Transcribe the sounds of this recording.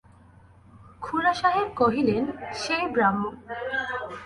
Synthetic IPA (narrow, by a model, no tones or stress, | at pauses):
kʰulaʃaɦeɾkoɦilenʃejbɾamːo